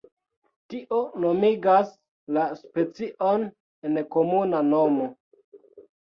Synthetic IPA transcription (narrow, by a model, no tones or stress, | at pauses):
tiʔo̞nomiɡas | laspe̞t͡siʔo̞n | enko̞munanomo̞